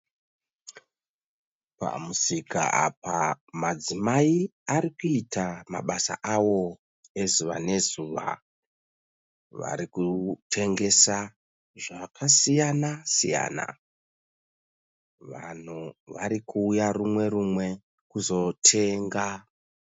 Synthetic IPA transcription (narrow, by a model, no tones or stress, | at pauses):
pa̰musika̰a̰pamad͡zimaiaɾikuitʰama̰ɓasa̰ʔawo̞ | e̞zuʋa̰ne̞zuʋa̰ | ʋa̰ɾikutʰe̞ŋɡe̞sa | ʐakʰasijanasija̰ːna̰ | ʋa̰n̤uʋa̰ɾikʰuːjarumwe̞rumwe̞ | kuzo̞tʰe̞ːŋɡa